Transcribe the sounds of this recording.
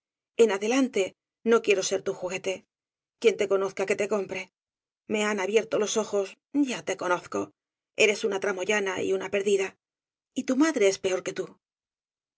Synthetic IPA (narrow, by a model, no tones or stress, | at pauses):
e̞naðe̞lant̪e̞ | no̞kje̞ɾo̞se̞ɾt̪uxuɣe̞t̪e̞ | kje̞nt̪e̞ko̞no̞θkake̞t̪e̞ko̞mpɾe̞ | me̞anaβje̞ɾt̪o̞lo̞so̞xo̞s | ɟ͡ʝat̪e̞ko̞no̞θko̞ | e̞̰ɾe̞sunat̪ɾamo̞ʝanaḭunape̞ɾðiða | it̪umaðɾe̞espe̞o̞ɾke̞t̪u